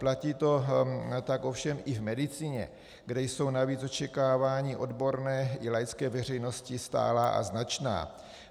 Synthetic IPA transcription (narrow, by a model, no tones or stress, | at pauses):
placiːt̪o̞t̪akofʃɛmʔɪvmɛdɪt͡siːɲɛ̰ | ɡdɛjso̞wnaviːt͡sot͡ʃɛkaːvaːɲɪʔo̞dbo̞ɾnɛːʔɪlajt͡skɛːvɛr̝ɛjno̞scɪst̪a̰ːlaːʔa̰znat͡ʃna̰ː